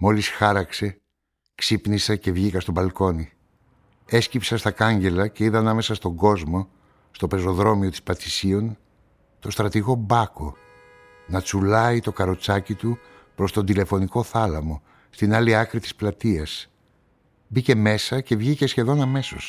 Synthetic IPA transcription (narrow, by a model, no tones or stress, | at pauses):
mo̞lisxɐɾɐkse̞ | ksipnisece̞vʝikɐst̪o̞bɐlko̞ni | e̞scipsɐst̪ɐkɐɲɟe̞lɐce̞iðɐnɐme̞sɐst̪o̞ŋɡo̞zmo̞ | st̪o̞pe̞zo̞ðɾo̞mio̞t̪i̥spɐθisio̞n | t̪o̞st̪ɾɐt̪iɣo̞bɐko̞ | nɐt͡sulɐit̪o̞kɐɾo̞t͡sɐcit̪u | pɾo̞st̪o̞nd̪ile̞fo̞niko̞θɐlɐmo̞ | st̪inɐliɐkɾit̪i̥splɐt̪iɐs | bice̞me̞sɐce̞vʝice̞sçe̞ðo̞nɐme̞so̞s